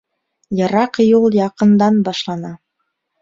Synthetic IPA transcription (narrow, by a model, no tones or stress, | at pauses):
jɤ̆ɾɑqjulˠjɑqɤ̆nd̪ɑnbɑʃlˠɑnɑ